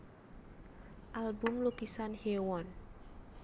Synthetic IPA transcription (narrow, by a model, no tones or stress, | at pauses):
ʔalbʊmlukisanhewɔn